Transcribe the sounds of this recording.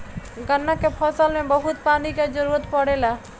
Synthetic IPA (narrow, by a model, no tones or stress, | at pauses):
ɡənːakepʰɔsəlmẽbəɦut̪paːniked͡ʒəɾuɾət̪pəɽela